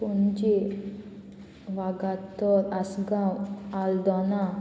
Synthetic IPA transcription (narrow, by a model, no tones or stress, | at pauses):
pund͡ʒi | ʋaɡat̪ːɔɾasɡamald̪ɔna